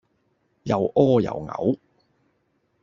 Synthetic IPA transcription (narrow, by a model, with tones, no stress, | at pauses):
jɐ˨˩wʔɔː˥jɐ̰˨˩wŋɐ̰˨˥w